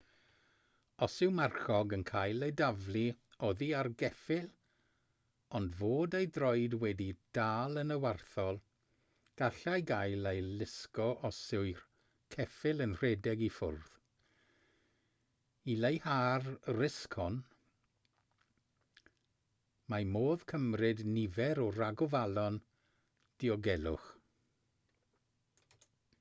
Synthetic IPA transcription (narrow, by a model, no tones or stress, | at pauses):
ɔsɪwmarχɔɡənkʰaːjlˠejdavlˠioðiarɡɛfɪl | ɔndvoːdejdrɔɨdwɛdid̥aːlˠənəwarθɔlˠ | ɡ̥aɬajɡajlejlɪskɔʔɔsɪwr | kʰɛfɪlənr̥ɛdɛɡifʊ̰rð̥ | ilejhaːrrɪskʰɔn | mamoːð̥kʰəmrɪdnɪvɛɾɔraɡɔvalˠɔn | d̥iɔɡɛlˠʊ̰χ